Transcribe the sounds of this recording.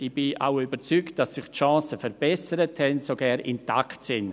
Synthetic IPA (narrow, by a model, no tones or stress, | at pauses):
ib̥iʔa̰wybəɾt͡sykt̚d̥asːɪχtʃɑ̃ːsəfɛɾb̥ɛsəɾəthɛntsoɡɛɾɪ̰nta̰ktsɪn